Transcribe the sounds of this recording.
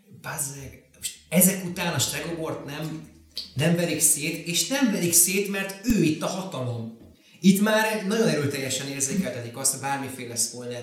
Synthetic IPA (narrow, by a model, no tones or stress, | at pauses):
pazɛɡmoʃɛzɛkut̪aːnɒʃt̪rɛɡobo̞rt̪nɛm | nɛmbɛlikseːt̪eːʃnɛmbɛlikseːt̪mɛrt̪øːit̪ːɒhɒt̪ɒlo̞m | it̪maːɾɛnɒɟo̞nɛɾøːt̪ɛjːɛʃɛneːrzeːkɛlt̪ɛt̪ikɒst̪hoɟbaːrmifeːlɛspolnɛ